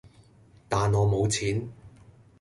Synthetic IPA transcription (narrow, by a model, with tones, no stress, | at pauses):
t̪aː˨nɔː˨˧mo˨˧wt͡sʰiː˨˥n